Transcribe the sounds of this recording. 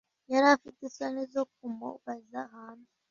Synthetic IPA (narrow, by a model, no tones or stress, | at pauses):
jaɾafitesanizok̚umo̰βazahaːnu